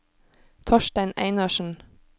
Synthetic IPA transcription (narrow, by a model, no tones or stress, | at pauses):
t̪ʰɔʃʈæɪnæ̰ɪnɑʃn̩